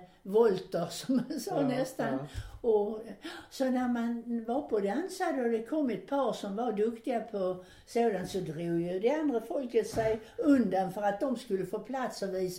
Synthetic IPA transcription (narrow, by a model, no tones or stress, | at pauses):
vɔlt̪əɾsɔmːansɑːnɛst̪anɔ | sɔnæɾmanvɑɾpʰɔd̪ɛansad̪əɔd̪ɛkʰɔmːɛt̪̚pʰɑːɾsɔmvaɾd̪ɵkt̪ɪɡapʰɔ | soːd̪ansɔd̪ɾuːjʉd̪ɛand̪ɾəfɔlkət̪sæjɵnd̪anfœɾat̪̚d̪ɔmskɵlːəfoːpʰlat̪sɔviːs